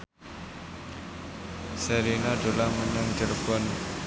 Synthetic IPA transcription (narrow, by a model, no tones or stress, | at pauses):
sɛɾinaɖo̤laŋməɲaŋt̪elfɔn